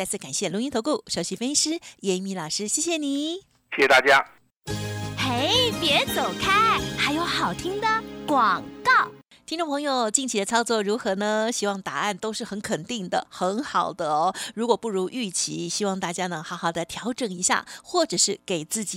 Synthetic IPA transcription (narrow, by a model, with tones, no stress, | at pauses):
t͡sɪt͡sʰɹ̩˥˩ka˨˩nɕjɛ˥˩lʊ˧˥ŋi˥t̪ʰo˧˥ʊku˥˩ʂo˧˩ʊɕi˧˥fe˥ʂɻ̩˥jɛ˧˥mi˧˥lɑ˨˩ʂɻ̩˥ɕjɛ˥˩ɕjɛ˨˩ni˨˩˦ | ɕjɛ˥˩ɕɛ˨˩t̪a˥˧˩t͡ɕja˥ | xe˥˩ɪpjɛ˧˥t͡so˨˩ʊkʰa˥xa˧˥ɪjo˧˥ʊxɑ˨˩ʊt̪ʰi˥ŋd̪ə˨kwɑ˨˩ŋkɑ˥˩ʊ | t̪ʰi˥ŋʈ͡ʂʊ˥˩ŋ˧pʰɤ˧˥ŋjo˧ʊt͡ɕi˥˩ŋt͡ɕʰi˧˥d̪ə˧t͡sʰɑ˥ʊt͡swɔ˥˩ɻu˧˥xɤ˧˥nə˧ɕi˥wɑ˥˩ŋt̪a̰˨˩a˥˩nt̪o˥ʊʂɻ̩˥˩xə˧˥nkʰə˨˩nt̪i˥˩ŋd̪ə̰˩xə˧˥nxɑ˨˩ʊd̪ə˦ɔ˧ɻu˧˥kwɔ˨˩pu˥˩ɻu˧˥ʔy˥˩t͡ɕʰi˧˥ɕi˥wɑ˥˧ŋt̪a˥˩t͡ɕja˥nɤə˧˥ŋxɑ˧˥ʊxɑ˨˩ʊd̪ə˦t̪ʰjɑ˧˥ʊʈ͡ʂɤ˨˩ŋi˧˥ɕja̰˥˩xwɔ˥˩ʈ͡ʂɤ˨˩ʂɻ̩˥˩ke˨˩ɪt͡sɹ̩˥˩t͡ɕi˨˦